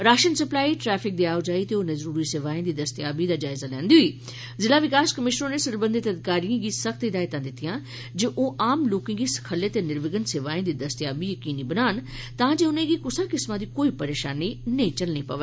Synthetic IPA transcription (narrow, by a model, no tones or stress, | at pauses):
ɾaːʃənsəplaːiːʈɾɛːpʰɪk̚d̪iːaːod͡ʒaːiːt̪eːoːnẽːzəɾuːɾiːseːʋaːẽːd̪iːd̪əst̪jaːbiːd̪aːd͡ʒaːɪzaːlɛ̰̃ːnd̪iːɦʊiː | zɪlaːʋɪkaːskəmɪʃnõːneːsəɾbə̃nd̪ɪt̪əd̪ɪkaːɾiãːɡiːsəkʰt̪ɪd̪aːɪt̪ãːd̪ɪt̪ːɪjãː | d͡ʒeʔoːʔaːmloːkɪ̃ŋɡiːsə̥kʰəlːeːt̪eːnɪɾʋɪɡənseːʋaːẽːd̪iːd̪əst̪jaːbiːjəkiːniːbənaːn | t̪ãːd͡ʒeːʊnẽːɡiːkʊsãːkɪsmãːd̪iːkoːiːpəɾeːʃaːniːnəĩːt͡ʃəlnĩːpəʋeː